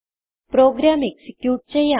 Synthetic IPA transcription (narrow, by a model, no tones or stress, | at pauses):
pɾoɡɾameksikjuːʈ̚t͡ɕeja